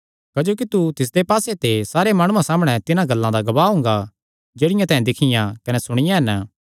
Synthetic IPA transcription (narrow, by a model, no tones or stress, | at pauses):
kɐd͡ʒoːk̬it̪ut̪ɪs̬d̪epaːset̪esaːɾemaːɽ̃ʊ̃ãsaːmɽ̃ɛ̃t̪ɪnãɡɐlːãd̪aɡɐbaːɦʊ̃ŋɡa | d͡ʒeːɽɪjãt̪ɛ̃ɦɛ̃d̪ɪkʰɪjãkɐnɛsʊɽ̃ɪjãɦɛnə